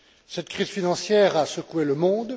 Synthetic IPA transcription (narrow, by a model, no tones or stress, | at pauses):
sɛt̪kχiz̥finɑ̃sjɛːʁasəkueləmɔ̃d̪